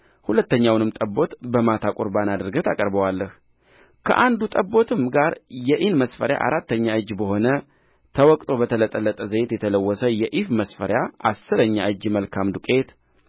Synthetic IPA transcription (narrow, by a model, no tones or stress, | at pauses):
hulət̪ːəɲːawnɨmt̪ʼəbːo̞t̪bəmat̪ʰakʼoɾbanad̪ɨɾɡət̪ʰakʼəɾbəwalːəh | kʰə̰ʔand̪ut̪ʼəbːo̞t̪ʰɨmɡaɾjɛʔinməsfəɾja̰ʔa̰ɾat̪ːəɲːaɨd͡ʒːbəɦo̞nə | t̪ʰəwɔkʼt̪ʼo̞bət̪ʰələt̪ʼːələt̪ʼːəzəjet̪jɛt̪ʰələwːɔsəjɛʔifməsfəɾjaʔasːɨɾəɲːa̰ʔɨd͡ʒːməlkʰamd̪ukʼe̞t̪